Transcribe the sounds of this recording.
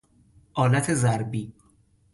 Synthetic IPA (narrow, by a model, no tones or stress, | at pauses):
ʔɒːlæt̪ʰe̞zæɾbiː